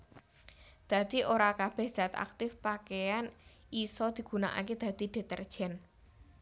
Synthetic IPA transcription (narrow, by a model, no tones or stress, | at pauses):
d̪̥ä̤d̪̥i̤ʔoɾakab̥ɛ̤hz̥a̤t̪a̰k̚t̪ɪfpakejan | isɔd̪̥i̤ɡ̥ṳna̰ʔa̰ked̪̥ä̤d̪̥i̤d̪̥e̤t̪ərd̥ʒ̥ɛ̤n